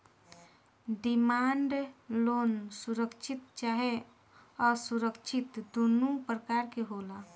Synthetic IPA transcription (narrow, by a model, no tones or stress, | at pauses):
ɖimaɳɖlonsuɾəkt͡ʃʰit̪̚t͡ʃaɦe | ɔsuɾəkt͡ʃʰit̪d̪onupɾəkaɾkeɦola